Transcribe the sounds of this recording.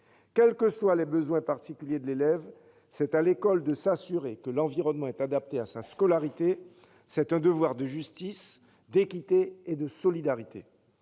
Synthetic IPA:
kʲɛlkəswalɛbəzwɛ̃paʁt̪ikʲyljed̪əlelɛv | sɛt̪alekɔld̪əsasyʁekəlɑ̃viʁɔnmɑ̃ɛt̪ad̪ap̚t̪easaskɔlaʁit̪e | sɛt̪ɛ̃d̪əvwaʁd̪əʒyst̪is | d̪ekʲit̪eːd̪əsɔlid̪aʁit̪ḛ

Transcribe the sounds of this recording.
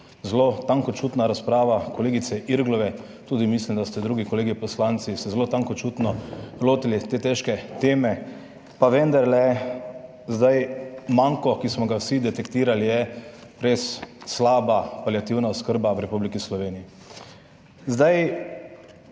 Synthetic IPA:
zlot̪aŋkɔt͡ʃuːt̪naɾaspɾaːʋakɔleːɡit̪sɛʔiɾɡlɔʋɛ | t̪uːd̪imislimd̪ast̪ɛd̪ɾuːɡikɔleːɡipɔslant̪sisɛzloːt̪aŋkɔt͡ʃuːt̪nɔloːt̪ilit̪eːt̪ɛʃkɛt̪eːmɛ | paʋɛnd̪aɾlɛ | zd̪ajmaŋkɔkismɔɡawsid̪ɛt̪ɛkt̪iːɾalijɛɾesːlaːbapaljat̪iwnaʊskəɾbawɾɛpublikislɔʋeːniji | zd̪aj

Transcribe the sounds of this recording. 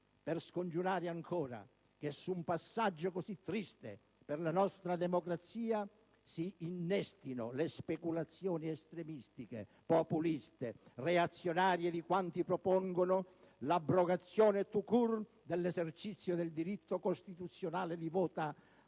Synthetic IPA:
perskond͡ʒuɾaːɾɪaŋkʰɔːɾa̰ | k̟esːumpasːad͡ʒːokosit̪ːɾist̪ḛ | perlanɔst̪ɾad̪ɛmokɾat̪siːa | siːnːɛst̪ino̰lespekulat̪sːjɔːniɛst̪ɾemist̪ikḛ | populist̪ereat̪sːjonaːɾjed̪ikwant̪ipɾopɔŋɡono | labɾoɡat̪sːjɔːnet̪ukur | d̪elːɛzert͡ʃit̪sːjod̪eld̪iɾit̪ːokost̪it̪ut̪sːjonaːled̪ivɔːt̪a

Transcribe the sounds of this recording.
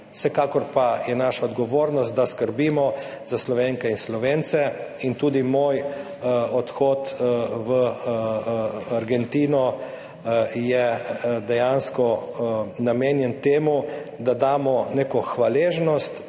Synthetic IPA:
sɛkaːkɔɾpajɛnaːʃaɔd̪ɡɔʋoːɾnɔst̪̚d̪askəɾbimɔ | z̥aslɔʋeŋkɛinslɔʋeːnt̪sɛint̪uːd̪imoːj | ɔt̪xɔːt̪ʋə | aɾɡɛnt̪iːnɔ | jɛd̪ɛjanskɔ | nameːnjɛnt̪eːmud̪ad̪aːmɔneːkɔxʋaleːʒnɔst̪

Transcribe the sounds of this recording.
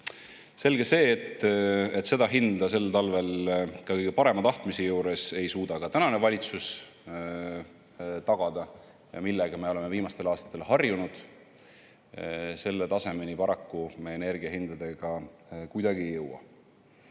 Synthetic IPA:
se̞lɡ̥e̞se̞ːt̪ːet̪se̞d̪ɑɦind̪ɑse̞lːt̪ɑlve̞lkɑkɤjɡ̥epɑɾe̞mɑt̪ɑht̪misijuːɾe̞se̞jsuːd̪̥ɑkɑt̪ænɑne̞vɑlʲit̪sus | t̪ɑɡ̥ɑd̪̥ɑ | milːɛɡ̥ɑme̞o̞le̞meviːmɑst̪e̞lɑːst̪ɑ̥t̪ːˑe̞lhɑrjunud̪̥ | se̞lːe̞t̪ɑse̞me̞nipɑɾɑkːumeene̞rɡiɑɦind̪̥ɑd̪e̞ɡ̥ɑkujd̪̥ɑɡ̥iejːɤwɑ̰

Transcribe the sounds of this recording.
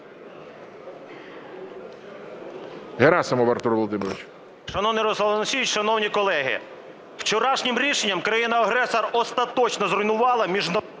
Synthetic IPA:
ɦeɾasɐmɔʋɐɾt̪uɾʋɔlˠɔd̪ɪmɪɾʋʲɪt͡ʃ | ʃɐnɔwnɪjɾɔsˠɐlˠɐnsʲit͡ʃʃɐnɔwnʲikɔlˠɛɦɪ̰ | w̥t͡ʃɔɾɑʃnʲɪmɾʲiʃenʲːɐmkɾɐjinɐɐɦɾɛsɐrɔst̪ɐt̪ɔt͡ʃnɔzɾɔjnʊʋɑlˠɐmʲiʒnɔ

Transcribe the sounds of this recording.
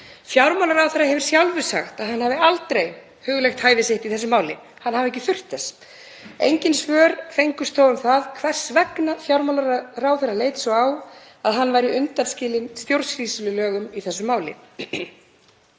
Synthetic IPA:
fjawɾmawlaɾawθɛrːahɦɛvʏɾ̥sjawlvʏsa̰xt̪aðhanhavɪalt̪ɾej | hʏːɣʏlejxt̪haːjvɪsɪht̪iθɛs̬ːʏmaːwlɪ | hanːhavɛhcːɪθʏr̥t̪ɛs | ejɲcɪnsvœːɾfejŋkʏst̪ʰowʏmθaðkʰvɛr̥svɛknafjawɾmawlaɾraːwθerːalejt̪sɔaw | aðɦanːvajɾɪʏnt̪anscɪːlɪnst̪jowɾsriːsʏlʏlœːɣʏmiθɛsːʏmaːwlɪ̰

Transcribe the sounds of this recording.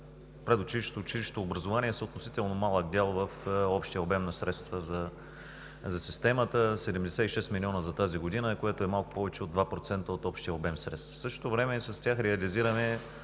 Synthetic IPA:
pɾɛd̪ot͡ʃiliʃt̪oːt͡ʃiliʃt̪oːbɾɐzovaniɛsəot̪nosit̪ɛlˠnomalˠəɡ̚d̪ʲɛlˠvəfɔpʃt̪ijəobɛmnɐsɾɛt̪st̪vəzɐ | zɐsist̪ɛmət̪əsɛd̪ɛmd̪ɛsɛiʃɛst̪milʲiɔnəzɐt̪aziɡod̪inəkoɛt̪oɛmalˠkʊ̥pɔvɛt͡ʃɛod̪vapɾot̪sɛnt̪əot̪ɔpʃt̪ijəobɛmsɾɛt̪st̪fsɤʃt̪o̥t̪ovɾɛmɛsɐst̪ʲaxɾɛɐliziɾəmɛ

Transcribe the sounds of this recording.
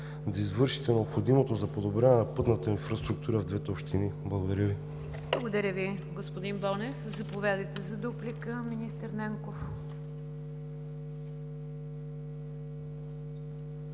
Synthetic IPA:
d̪ɐizvɤɾʃi̥t̪ɛnɛopxod̪imot̪ozɐpod̪obɾɛnɛnɐpɤt̪nət̪əinfɾɐst̪ɾuk̚t̪uɾəvd̪vɛt̪ɛopʃt̪iniblˠɐɡod̪ɐɾʲəvi | blˠɐɡod̪ɐɾʲəvi | ɡospod̪inbɔlˠnɛfzɐpovʲad̪əjt̪ɛzɐd̪uplikəminist̪əɾnɛŋkof

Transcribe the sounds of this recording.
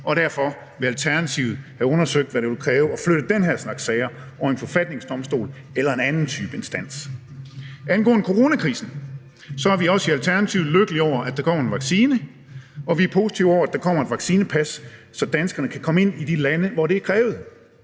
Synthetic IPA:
ʔɒ̽ɾ̥æɐfɒ̽ | ʋe̝ælt͡sʰæɐnæt͡sʰiʊð̩ˠhæɔ̽nɐsøɡ̥̚d̥ʋæɾeʋelkʰʁɛːʊəɒ̽fløɾ̥ð̩ˠd̥enɦæɐsnɑ̈ɡ̥sɛɪɐ | ɒenfɒ̽fæd̥̚ne̝ŋsd̥ɒ̽msd̥o̝̰ːl | elɐe̝nænn̩t͡sʰyːb̥əe̝nsd̥æn̰s | ʔænɡ̥ɔ̰ːnəkʰo̝ʁo̝ːnækʰʁḭːsn̩ | sɒ̽æɐʋiɒ̽siælt͡sʰæɐnæt͡sʰiʊløɡ̥əliɒʊ̰ɐʔæd̥ɑ̈kʰɒ̰ːenʋɑ̈ɡ̥siːnə | ʔɒ̽ʋiæɐpʰo̝ːsi̥t͡sʰiʊ̰ɒ̰ʊɐæd̥ɑ̈kʰɒ̽m̰ɐe̝d̥ʋɑ̈ɡ̥siːnəpʰæsːɒ̽d̥ænsɡ̥ɐnəkʰækʰɒ̽məe̝n̰id̥ilænəʋɒɾe̝æɐkʰʁɛːʊð̩ˠ

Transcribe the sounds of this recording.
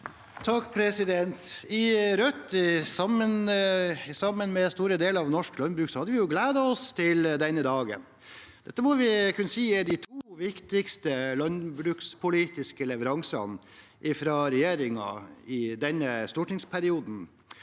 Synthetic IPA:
t̪ʰɑkːpʰɾɛsɪd̪ɛnt̪ɪɾœt̪ːɪsɑmːən | sɑmːənmɛst̪uːɾəd̪eːləɾɑʋnɔʂklɑnbɾʉːksɔhɑd̪əʋɪjʊɡleːd̪ɑɔst̪ʰɪld̪ɛnːəd̪ɑːɡə̰n | d̪ɛt̪ːəmɔʋɪkʰʉnːəsiːɛɖ̪ɪt̪ʰuːʋɪkt̪ɪkst̪əlɑnbɾʉːkspʰʊliːt̪ɪskəlɛʋəɾɑŋsɑ̰n | ʔɪfɾɑɾɛjeːɾɪŋɑ̰ɪd̪ɛnːəst̪ɔʈɳɪŋspʰæɾɪuːd̪n̩

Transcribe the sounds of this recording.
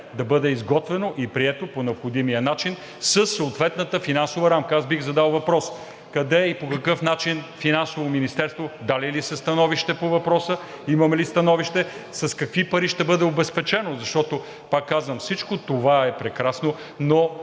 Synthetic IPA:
d̪ɐbɤd̪ɛizɡɔt̪vɛnoʔipɾiɛt̪oponɛopxod̪imijənat͡ʃin | səsːooːt̪vɛt̪nət̪əfinansovɐɾamkəasbiɣzɐd̪alˠvɐpɾɔs | kɐd̪ɛipokɐkɤfnat͡ʃinfinansovominist̪ɛɾst̪vod̪alilisɛst̪ɐnɔviʃt̪ɛpovɐpɾɔsə | imɐmɛlist̪ɐnɔviʃt̪ɛsɐskɐkvipɐɾiʃt̪ɛbɤd̪ɛobɛspɛt͡ʃɛnozɐʃt̪ɔt̪o | pakːazvəmfsit͡ʃkot̪ovaɛpɾɛkɾasno | no

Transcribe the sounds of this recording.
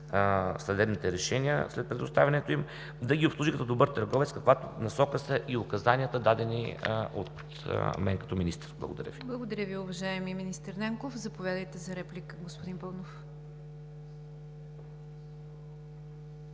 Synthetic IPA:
sɐd̪ɛbnit̪ɛɾɛʃɛnʲiə̰slɛt̪̚pɾɛd̪ʊst̪avʲɐnɛt̪oim | d̪ɐɡʲiʊpslˠuʒikɐt̪ɔd̪obɤɾt̪əɾɡɔvɛt̪skɐkvat̪onɐsɔkəsəʔiʊkɐzaniət̪əd̪ad̪ɛnḭo̰t̪ | mɛŋkɐ̥t̪ɔminist̪ə̥ɾblˠə̰ɡoʊd̪ɐ̰ɾʲjə̰viblˠɐɡod̪ɐɾʲəviʊvɐʒaɛmiminist̪əɾnɛŋkofzɐpovʲjad̪əjt̪ɛzɐɾɛplʲikɡospʊd̪inpɐlˠnof

